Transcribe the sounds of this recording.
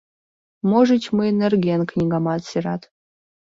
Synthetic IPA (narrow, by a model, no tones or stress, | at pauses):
moʐɨt͡ɕmɨenerɡʲenknʲiɡamɑt̪sirat̪